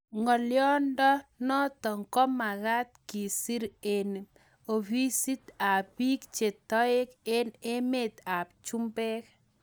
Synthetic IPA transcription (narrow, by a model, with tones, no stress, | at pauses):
ŋɔ˨ljɔ˦ndɔ˦nɔ˦t̪ɔ˨ŋkɔ˦ma˨ɡa˦t̪̚ki˨si˦ɾe˨n | o˨bi˦si˦t̪a˨bi˦kt͡ʃe˨t̪ɔ˦ɪ˦ke˦ne˦me˨t̪a˨p̚t͡ʃu˦mbɛ˦k